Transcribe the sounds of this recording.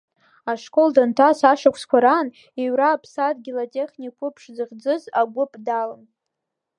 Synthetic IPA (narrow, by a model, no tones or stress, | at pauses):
aʂkʼoldantʰasaʂakʷʰskʷʰaɾan | iɥraːpʰsadɡʲilatʲʼe̞χnʲikʷʰʼʊpʰʂd͡zɨʁd͡zɨzaɡʷʊpʼdalɨn